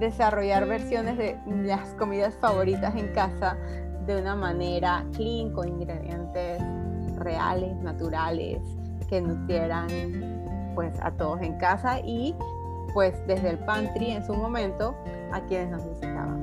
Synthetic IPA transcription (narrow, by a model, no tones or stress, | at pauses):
d̪e̞saro̞ʝaɾβe̞ɾsjo̞nezðelasko̞miðasfaβ̞o̞ɾit̪ase̞ŋkasa | d̪e̞unamane̞ɾakliŋkoiŋɡɾeðje̞nt̪e̞s | re̞a̰le̞snat̪uɾale̞̰s | ke̞nusjeɾaŋ | pwe̞sa̰t̪o̞ðo̞se̞ŋkasaʔi | pwe̞sd̪e̞zðelpant̪ɾie̞nsumõ̞mẽ̞nt̪o̞ | akje̞ne̞snosisit̪a̰βa̰ŋ